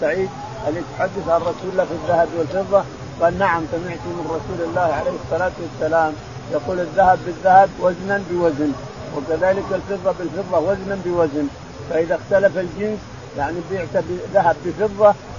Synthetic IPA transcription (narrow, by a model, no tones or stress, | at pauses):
saʕiːd̪̚ | ʔalːit̪ħad̪ːɪθʕanrˤɑsuːlːaːfiðːahabwɪlfɨðˤːɑ | qɑːlnaʕamsamɪʕt̪umɪnɾˤɑsuːlalːaːhʕalejːhɪsˤːɑlaːt̪wasːalaːm | jɑquːlaðːahabːɪðːahabwaznanbɪwazn | wɪkaðaːlɪkalfɨðˤːɑbɪlfɨðˤːɑwaznabɪwazn | faʔɪðaxt̪alafald͡ʒɪns | jaʕnibɪʕt̪abɪðaɦabːɪfɨðˤːɑ